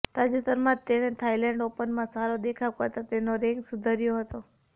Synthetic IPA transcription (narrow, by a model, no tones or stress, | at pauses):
t̪ad͡ʒut̪əɾmãt̪enet̪ʰailɛɳɖopənmãsaɾod̪ekʰaʋkəɾt̪at̪enoɾɛŋɡsud̪ʱaɾjoɦət̪o